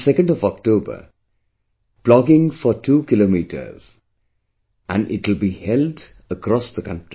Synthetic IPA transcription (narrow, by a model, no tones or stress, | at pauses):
sɛkə̃nɖɔvɔk̚ʈoːbə̰ | plɔɡɪ̃ŋfɔʈʰuːkɪloːmiːʈʰə̰z̥ | ʔæ̰̃nɖʔɪ̰ʈɪlˠbihɛlɖ | əkɾɔsðəkʌ̃nʈɾi